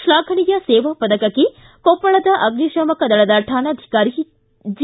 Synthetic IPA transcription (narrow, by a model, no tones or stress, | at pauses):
ʃɭaːɡʰʱɐɳijɐseːʋɐpɐd̪ɐkɐkːe | kopːɐɭɐd̪ɐʔɐɡniʃɐmɐkɐd̪ɐɭɐd̪ɐʈʰaːnɐːd̪ʱi̥kaːɾi | d͡ʒ